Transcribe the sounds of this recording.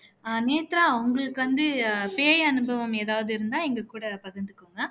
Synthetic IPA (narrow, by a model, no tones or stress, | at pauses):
neːt̪ɪɾaːʊŋɡɐɭɯkːɯʋɐnd̪ɯpeːjɐnɯbɐʋɐmeːðaːʋɐðɯɪɾɯnd̪ãːɛŋɡɐkːuːɽɐpɐɣɐnd̪ɯkːɯŋɡɐ